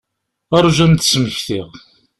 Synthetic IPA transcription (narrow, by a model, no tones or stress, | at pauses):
aɾˤʒæmt̪ə̥sməçθiʁ